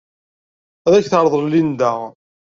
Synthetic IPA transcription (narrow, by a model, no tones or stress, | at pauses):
æðæçθɑɾˤðˤəɾlːind̪æ